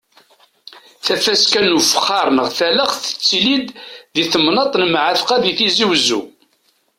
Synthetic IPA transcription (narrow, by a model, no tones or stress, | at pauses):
θæfæskænufəχːɑɾˤnəʁθæləχθə̥t͡sːlid̪ðiθəmnɑt̪ˤnəmʕəθqæðiθiziwzṵ